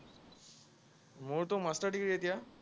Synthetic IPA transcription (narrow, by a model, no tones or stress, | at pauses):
moɾt̪omasʈəɾʈikɽet̪ja